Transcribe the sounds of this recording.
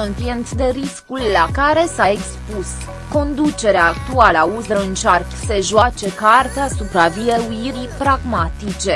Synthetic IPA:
ɨntient̪d̪e̞ɾiskulʲlakaɾe̞saekspus | ko̞nd̪ut͡ʃe̞ɾeaːk̚t̪ualəauzəɨnt͡ʃarkse̞ʒoat͡ʃe̞kart̪easupɾavieuiɾipɾaɡmat̪it͡ʃe̞

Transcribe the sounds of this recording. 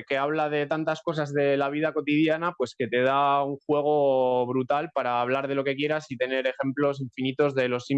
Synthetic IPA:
ke̞aβ̞laðe̞t̪ant̪asko̞sazðe̞laβ̞iðako̞t̪ið̞janapwe̞ske̞t̪e̞ð̞auŋxwe̞ɣ̞o̞βɾut̪alpaɾaːβ̞laɾð̞e̞lo̞ke̞kje̞ɾasit̪e̞ne̞ɾe̞xe̞mplo̞s̬iɱfinit̪o̞zðe̞lo̞si

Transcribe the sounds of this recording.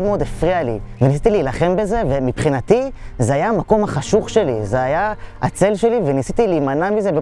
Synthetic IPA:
dmeo̞d̪efʁialḭvenis̬it̪ilijlaχe̞mbe̞ze̞vemipχinat̪izeajamako̞mhaχaʃuχʃe̞lizeajaa̰t͡se̞lʃe̞livenisit̪iliːmanamize̞be

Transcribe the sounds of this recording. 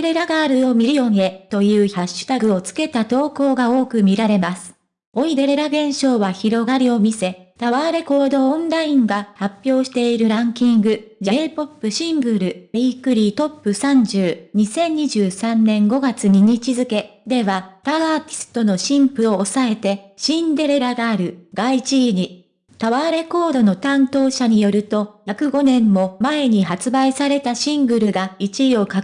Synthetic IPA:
eɾe̞ɾaɡaɾɯ̟o̞mʲiɾijo̞ŋe̞t̪o̞jɯ̟ːçaɕːɨ̥t̪aɡɯ̟o̞t͡sɨ̥ke̞t̪at̪o̞ːko̞ːɡao̞ːkɯ̟mʲiɾaɾe̞masɨ̥ | o̞id̪e̞ɾeɾaɡẽ̞ɰ̃ɕo̞ːβaçiɾo̞ɡaɾʲio̞mʲise̞t̪aβaːɾe̞ko̞ːd̪õ̞ːnɾaĩŋɡahapʲːjo̞ːɕi̥t̪e̞iɾɯ̟ɾãŋkʲĩŋɡɯ̟d͡ʑapo̞pːɯ̟ɕĩŋɡɯ̟ɾɯ̟meikɯ̟ɾʲiːt̪o̞pːɯ̟sãɲ̟d͡ʑɨːɲ̟isẽ̞ɲ̟ːiʑɨːsãnːẽ̞ŋɡo̞ɡat͡sɨɲ̟iɲ̟it͡ɕizɨke̞d̪e̞βat̪aaːt̪ʲi̥sɨ̥t̪o̞no̞ɕĩmpɯ̟o̞ːsae̞t̪e̞ɕĩnd̪e̞ɾe̞ɾaɡaːɾɯ̟ɡ̥ait͡ɕiɲ̟i | t̪aβaɾe̞ko̞ːd̪o̞no̞t̪ãnt̪o̞ːɕaɲ̟ijo̞ɾɯ̟t̪o̞jakɯ̟ɡo̞nẽ̞mːo̞mae̞ɲ̟iɦat͡sɨbaisaɾe̞t̪aɕĩŋɡɯ̟ɾɯ̟ɡait͡ɕiio̞ka

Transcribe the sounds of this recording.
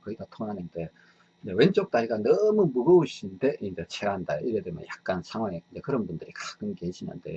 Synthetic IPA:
kɯidatʰoŋnanɯnde̞ | id͡ʑewe̞nt͡ɕ͈ok̚t͈aiɡanʌmumuɡɯuɕʰinde̞ind͡ʑet͡ɕʰeɦanda̰joʔiɾedemjʌ̰njak̚k͈ansʰaŋwaŋeɯd͡ʑekɯɾʌnbundɯɾikak͈ɯnkeɕʰina̰ndḛjo

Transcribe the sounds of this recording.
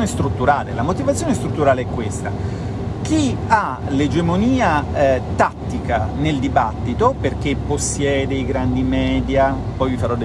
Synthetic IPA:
nest̪ɾut̪ːuɾaːlḛlamot̪ivat̪sjonest̪ɾut̪ːuɾaːleɛkːwest̪a̰ | k̟ia | led͡ʒemoniːat̪at̪ːikaneld̪ibat̪ːit̪operk̟epːosːjɛːd̪eiɡɾand̪imɛːd̪ja | pɔjvifaɾɔd̪e

